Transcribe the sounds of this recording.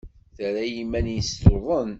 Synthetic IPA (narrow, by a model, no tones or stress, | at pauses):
θəɾæjimːænjəst̪oðˤən